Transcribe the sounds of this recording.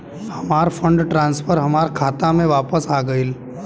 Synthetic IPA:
hɐmaːɾfʰə̃ɳɖʈɾãːnsfʰəɾɦɐmaːɾkʰaːt̪amẽʋaːpəsaːɡɐil

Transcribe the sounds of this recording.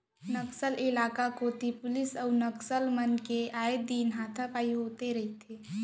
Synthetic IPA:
nəksəlɪlaːkakoːt̪ipʊlɪsəʊnəksəlmənkeaːed̪iːnɦaːt̪ʰapaːiɦoːt̪eɾɐɦit̪ʰeː

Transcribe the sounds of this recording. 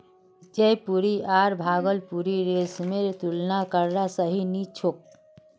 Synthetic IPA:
d͡ʒejpuɾiaːɾbʱaːɡəlpuɾiɾesmeɾt̪ulnakəɾɾasəɦinit͡ʃʰok̚

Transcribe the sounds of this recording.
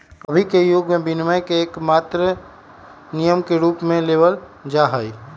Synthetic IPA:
əbʱikejoːɡmẽbinməjkeːkmaːt̪ɾə | nijəmkeɾuːpmẽleːʋəl | d͡ʒaːɦəi

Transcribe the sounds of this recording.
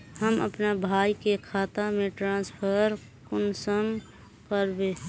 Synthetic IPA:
həmə̰pnabʱaːikekʰaːt̪amẽʈɾãːspʰəɾ | kʊnsəm | kəɾbe

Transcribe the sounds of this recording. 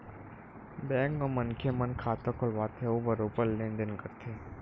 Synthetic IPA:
bɛ̃ːŋkɔmənkʰemənkʰaːt̪okʰʊlʋaːt̪ʰeoːbɐɾoːpəɾlẽːnd̪ɪnkɐɾt̪ʰeː

